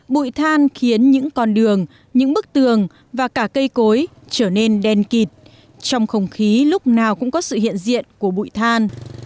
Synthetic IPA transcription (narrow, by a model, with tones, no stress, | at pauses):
ɓṵ˧˨jt̪ʰaː˧nxi˨˦ənɲɨ̰˧˥ŋkɔ˧nɗɨ˨˩əŋ | ɲɨ̰˧˥ŋɓɨ˦˥k̚t̪ɨ˨˩əŋ | vaː˨˩kaː˧˩kə˧jko˨˦j | t͡ɕəː˧˩ne˧nɗɛ˧nki˨˩t̚ | t͡ɕɔ˧wŋ͡mxə˧wŋ͡mxi˨˦lʊ˦˥k͡p̚naː˨˩wkʊ̰˧˥ŋ͡mkɔ˨˦sɨ̰˧˨hḭ˧˨ənzḭ˧˨ənku˧˩əɓṵ˧˨jt̪ʰaː˧n